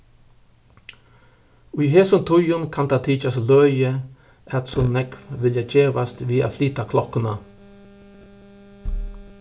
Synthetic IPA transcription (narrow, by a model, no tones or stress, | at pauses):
ʉɦeːsʊnt̪ʰʊjʊnkʰɑnd̪ɑːt̪ʰiːt͡ʃaslœjə | ʔæt̪sɔnɛkʋʋɪljɑd͡ʒeːʋast̪ʋiːa̰fliːt̪akʰlɔkənɑ